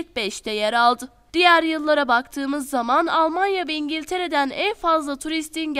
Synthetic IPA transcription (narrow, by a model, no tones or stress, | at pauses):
c̚bɛʃt̪ʰɛjeɾalˠd̪ɯ | d̪̥ijæɾjɯlˠːaɾabakt̪ʰɯːmɯzːamanalˠmanjavɛiɲɟilʲt̪ʰe̞ɾe̞d̪ænænfazlˠat̪ʰuɾist̪ʰinɟ